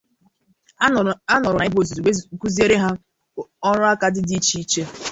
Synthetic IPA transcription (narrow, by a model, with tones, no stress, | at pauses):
a˦nɔ˨ɾʊ˨a˨˦i˦bo˨zku˦zi˦e˦ɾe˦ɦa˦ | ɔ˦ɾʊ˦a˦ka˦dɪ˦di˦t͡ʃi˦i˦t͡ʃe˦